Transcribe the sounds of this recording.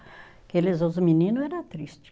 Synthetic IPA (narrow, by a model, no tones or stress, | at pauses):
kelɪzozʊminĩnʊɛɾɐt̪ɾist͡ʃɪ̥